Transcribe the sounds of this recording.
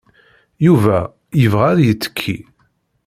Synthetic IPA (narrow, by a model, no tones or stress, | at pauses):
juvæ | jəvʁæɾjət͡sːə̥kʰːḭ